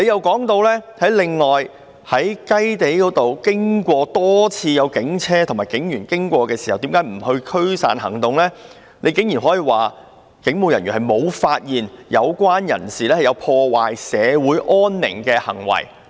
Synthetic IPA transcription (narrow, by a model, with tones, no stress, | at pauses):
ne˨˧jɐ˨wkɔː˨˥ŋt̪o˧wlɛː˥hɐ˨˥jlɪ˨ŋːɔː˨j | hɐ˨˥jkɐ˥jt̪e˨˥jkɔː˨˥t̪o˨wkɪ˥ŋkʷɔː˧t̪ɔː˥t͡sʰiː˧jɐ˨˧wkɪ˨˥ŋt͡sʰɛː˥t̪ʰʊ˨˩maː˨˩jkɪ˨˥ŋjyː˨˩nkɪ˥ŋkʷɔː˧kɛː˧siː˨˩hɐ˨wt̪i˨˥ŋkaː˨˥jm̩˨˩hɵ˧kʰɵ˥ɥsa̰ː˨nhɐ̰˨˩ŋt̪ʊ˨ŋlɛː˥ | ne˨˧jkɪ˨˥ŋji˨˩nɦɔː˨˥jiː˨waː˨˩ | kɪ˨˥ŋmo˨˧wjɐ˨˩njy˨nhɐ˨jmo˨˧wfaː˧t̚jiː˨˩njɐ˨˧wkʷwaː˥njɐ̰˨˩nsiː˨˩lɛː˥hɐ˨jɐ˨˧wpʰɔː˧waː˨jsɛː˨˧wuː˨˥jʔɔː˥nːɪ̰˨˩ŋkɛː˧hɐ̰˨˩ŋwɐ̰˨˩j